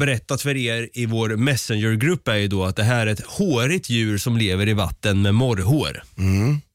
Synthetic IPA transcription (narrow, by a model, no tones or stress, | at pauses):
bɛɾɛt̪ːat̪fœɾeːɾɪvoːɾmɛsɛnjəɾɡɾɵpːæɾjəd̪ɔat̪̚d̪ɛɦæːɾɛt̪hoːɾɪt̪jʉ̟ːɾsɔmleːvəɾɪva̰t̪ːənmɛmɔɾɦoːɾ